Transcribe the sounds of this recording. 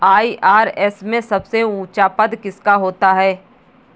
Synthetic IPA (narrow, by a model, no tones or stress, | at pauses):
aːiʔaːɾɛsmẽsɐbseũːt͡ʃapəd̪kɪskaɦoːt̪aɦɛː